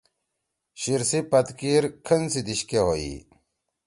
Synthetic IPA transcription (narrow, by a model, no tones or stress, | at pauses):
ɕiɾsipɐt̪kiːɾkʰənsid̪iɕkeɦoḭ